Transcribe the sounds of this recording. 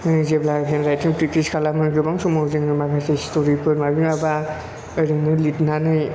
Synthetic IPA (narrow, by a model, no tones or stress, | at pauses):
zeblabʰʱenɾajtʰiŋpɾipiskʰalamɯnɡɯbaŋsumɔwzɯŋɯmaɡasestoɾipʰɯɾmabinaba | əɾiŋnɯlitnanɯj